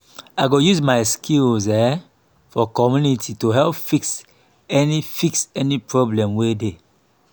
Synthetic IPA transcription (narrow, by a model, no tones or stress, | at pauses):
aɪɡojuzmaɪskʰilzɛ | fɔkɔmjunitʰitoɦɛlpfiks | ɛnifiksɛnipɹɔblɛ̃mwede